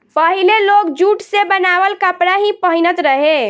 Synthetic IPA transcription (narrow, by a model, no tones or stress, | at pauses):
pəɦilelokd͡ʒuʈsebənabəlkəpɽaɦĩpəɦinət̪ɾəɦe